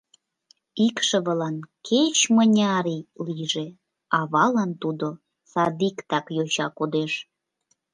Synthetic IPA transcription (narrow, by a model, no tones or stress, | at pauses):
ikʃə̆βəlɑnkʰet͡ɕmənʲɑɾiliʒe | ɑβɑlɑnt̪ud̪o | sɑd̪ikt̪ɑkjoɕɑkod̪eʃ